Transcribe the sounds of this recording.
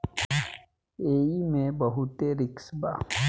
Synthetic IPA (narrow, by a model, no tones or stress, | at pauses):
eːimẽbəɦut̪eɾɪksbaː